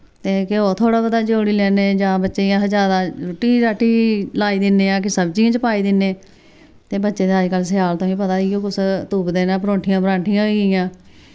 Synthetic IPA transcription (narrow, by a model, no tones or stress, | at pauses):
t̪eːkeoːt̪ʰoːɽaːbəd̪aːd͡ʒoːɽiːlɛːneːd͡ʒãːbətːʃeːjãːd͡ʒaːd̪aːɾʊʈːiːɾaːʈiːlaːiːd̪ɪnːeːãːkɪsəbd͡ʒiːãːt͡ʃəpaːiːd̪ɪnːeː | t̪eːbətːʃeːd̪eəd͡ʒkəls̬ɪjaːlt̪õːĩːpət̪aːioːkʊst̪uːpd̪eːnãːpɾõːʈʰɪjãːpɾãːɳʈʰijãːɪjãː